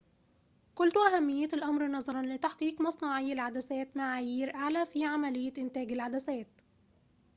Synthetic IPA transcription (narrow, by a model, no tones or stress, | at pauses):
kʊlt̪ʔæɦæmːɪjːɪɪlʔɑmɾnɑzˤɑɾˤɑnlɪt̪aħqiːqmɑsˤnɑʕɪjːalʕad̪æsæːt̪maʕaːjiːɾʔaʕlæːfiʕamælɪjːɪʔɪnt̪æːɡɪlʕad̪æsæːt̪